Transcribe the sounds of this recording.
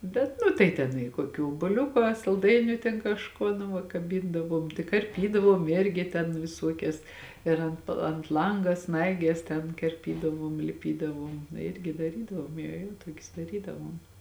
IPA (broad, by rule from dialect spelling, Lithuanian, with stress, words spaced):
ˈbʲɛt nʊ tɐɪ ˈtʲɛn ɪ koːˈkʲuː oːbuɔˈlʲʊkʊ ɐ sɐlˠˈdɐɪnʲʊ tʲɛn kɐʃˈkuɔ nʊ ˈʋɐ kɐˈbʲɪndɐʋuɔm tɐɪ kɐrʲˈpʲiːdɐʋuɔm ˈɪrʲɡʲɪ tʲɛn ʋʲɪˈsuɔkʲɛs ɪr ˈɐnt ɐnt ˈlˠɐŋɡɐ ˈsnɐɪɡʲɛs tʲɛn kɐrʲˈpʲiːdɐʋuɔm lʲɪˈpʲiːdɐʋuɔm ˈɪrʲɡʲɪ dɐˈrʲiːdɐʋuɔm joː ˈjoː ˈtuɔkʲʊs dɐˈrʲiːdɐʋuɔm